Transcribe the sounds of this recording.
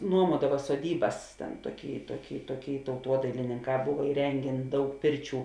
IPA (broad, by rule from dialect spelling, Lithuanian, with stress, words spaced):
ˈnuɔmuɔdɐʋɐ soːˈdʲiːbɐs ˈtʲɛn ˈtuɔˌkʲiː ˈtuɔˌkʲiː ˈtuɔˌkʲiː tɐʊˈtuɔdɐɪlʲɪnʲɪŋˌkɑː ˈbʊʋɐ ɪˈrʲɛŋʲɡʲeːn ˈdɐʊk ˈpʲɪrʲˌt͡ʃʲuː